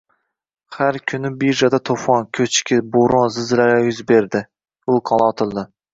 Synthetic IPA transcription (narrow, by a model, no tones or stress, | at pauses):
haɾkʲʰʊnɪbiʒad̪at̪ʰofɒnkʲʰɵt͡ʃkʲɪboɾonzɪzɾaɾajʊzbeɾd̪ɪ | ʊlˠkʰɒnˠɒt̪ʰɪlˠd̪ɪ